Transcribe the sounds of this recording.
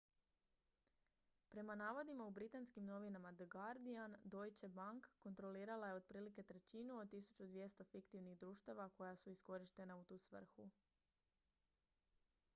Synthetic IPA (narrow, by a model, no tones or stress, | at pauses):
pɾe̞manaːʋo̞d̪imaubɾit̪anskimno̞ʋinamad̪ɡaɾd̪iand̪o̞jt͡ɕebaŋkːont̪ɾo̞liːɾalaje̞o̞d̪̚pɾiːlike̞t̪ɾe̞t͡ɕinuo̞d̪̚t̪ːisu̥t͡ɕud̪ʋje̞st̪o̞fikt̪iʋniɣd̪ɾuːʃt̪aʋako̞jasuisko̞ɾiʃt̪e̞naut̪uːsʋr̩xu